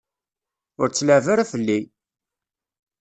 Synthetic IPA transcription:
ʊɾt͡sːləʕvaɾafəlːi

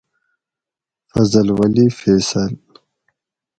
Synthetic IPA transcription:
fɐzəlwɐlifɛːsɐl

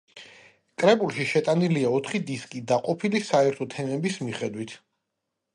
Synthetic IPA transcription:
kʼɾɛbulˠʃiʃɛt̪ʼaniliaɔt̪ʰχid̪iskʼid̪aqʼɔpʰilisaɛɾt̪ʰɔt̪ʰɛmɛbismiχɛd̪wit̪ʰ

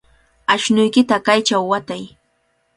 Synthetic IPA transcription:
aʃnʊjkɪt̪akajt͡ʃawːat̪aj

